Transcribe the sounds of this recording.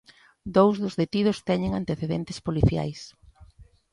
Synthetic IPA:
d̪owzðʊzðet̪ið̞ʊst̪ɛɲɪŋant̪eθeðɛnt̪ɪ̥spoliθja̰js

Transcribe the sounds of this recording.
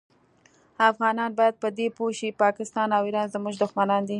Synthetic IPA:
afɣɑnɑnbɑjad̪̚pəd̪epoʃipɑkɪst̪ɑnawiɾɑnzəmuʒd̪ʊxmanɑnd̪i

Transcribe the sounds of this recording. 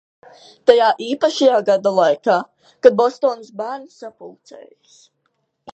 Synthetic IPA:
t̪ajaːʔiːpaʃajaːɡad̪alˠajkaː | kad̪̚bɔst̪oːnsbæːɾnsːapulˠt̪sɛ̰ːjs

